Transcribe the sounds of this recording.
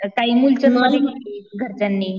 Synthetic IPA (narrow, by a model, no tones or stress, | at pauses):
kaɦiːmult͡ɕənalekeliɡʱəɾt͡ɕanːiː